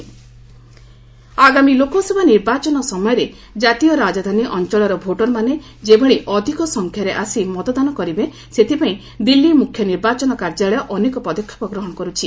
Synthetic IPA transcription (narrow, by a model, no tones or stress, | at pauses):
aɡamilokɔsebʱaniɾbat͡ʃɔnɔsɔmɔjɔɾe | d͡ʒat̪ijɔɾad͡ʒad̪ʱaniʔɔnt͡ʃɔɭɔɾɔbʱoʈɔlmane | d͡ʒebʱeɭiʔɔd̪ʱikɔsɔŋkʰjaɾeʔasimɔt̪ɔd̪anɔkɔɾibe | set̪ʰipaĩ | d̪ilːimukʰːjɔniɾbat͡ʃɔnɔkaɾd͡ʒaɭɔjɔʔɔnekɔpɔd̪ɔkʰjɔ̥pɔɡɾɔɦɔɽ̃ɔkɔɾut͡ʃʰi